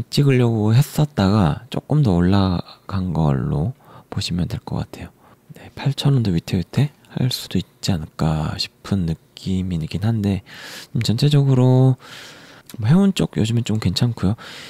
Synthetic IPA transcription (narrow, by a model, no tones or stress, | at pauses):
t͡ɕ͈iɡɯʎːʌɡoɦe̞s͈ʌt̚t͈aɡat͡ɕ͈o̰k͈ɯmdʌoɭːaɡanɡʌ̰ɭːo̰poɕʰimjʌndwe̞ɭk͈ʌk͈a̰tʰe̞jo | ne̞pʰaɭt͡ɕʰʌnʌndoitʰebitʰe̞ | has͈u̥d̥oit̚t͡ɕ͈ianɯk͈aɕʰi̥pʰɯnːɯk͈iminɯɡinɦande̞t͡ɕomt͡ɕʌnt͡ɕʰe̞d͡ʑʌɡɯɾo | mʌɦe̞ont͡ɕ͈oɡjod͡ʑɯmɯnt͡ɕomkwe̞nt͡ɕʰankʰujo